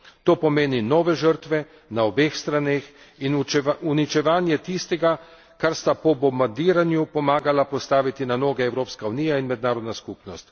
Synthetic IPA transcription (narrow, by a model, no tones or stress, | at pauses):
t̪oːpɔmeːninɔːʋɛʒəɾt̪ʋɛ | naɔbeːxst̪ɾaneːx | inunit͡ʃɛʋaːnjɛt̪ist̪ɛɡa | kaɾst̪apɔbɔmbaɾd̪iːɾanjupɔmaːɡalapɔst̪aːʋit̪inanoːɡɛɛwɾoːpskauniːjainmɛd̪naːɾɔd̪naskupnɔst̪